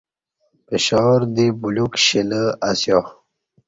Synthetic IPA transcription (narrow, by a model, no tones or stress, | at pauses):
peɕawəɾd̪ibulukɕiləasjo